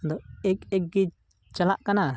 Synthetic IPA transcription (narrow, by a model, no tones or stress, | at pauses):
d̪ɔɛkɛk̚ɡi | t͡ʃalaʔkana